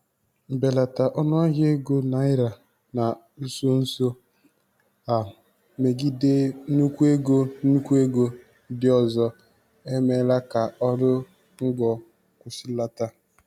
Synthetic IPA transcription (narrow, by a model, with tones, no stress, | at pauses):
be˨la˨ta˨ʔɔ˦nɔ˦a˦ɦje˦ɡo˦na˨ɪ˦ɾa˨ | na˨ | n̩˦so˦n̩˦so˦ | a˨ | me˨ɡi˦de˦nu˦kʷu˦e˦ɡo˦nu˦kʷu˦e˦ɡo˦ | dɪ˦ɔ˨zɔ˦ | e˦me˦la˦ka˨ɔ˦ɾʊ˦ | ŋ̩˦ɡɔ˨ | kʷʊ˨sɪ˦la˦ta˦